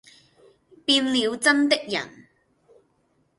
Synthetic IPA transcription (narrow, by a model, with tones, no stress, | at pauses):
piː˧nliː˨˧wt͡sɐ˥nt̪̬ɪ˥k̚jɐ̰˨˩n